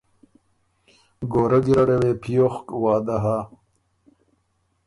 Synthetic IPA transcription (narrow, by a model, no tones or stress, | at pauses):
ɡoːɾɐɡiɾɐɽewepʰijoχkwaːd̪aɦa